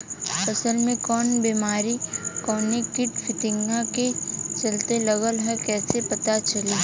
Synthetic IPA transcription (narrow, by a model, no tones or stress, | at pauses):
pɐsəlmẽkɔːnbiːmaːɾikɔːnikɪʈfɪt̪ɪ̃ŋɡãket͡ʃɐlt̪elɐɣəlɦɛkɛːsepɐt̪at͡ʃɐliː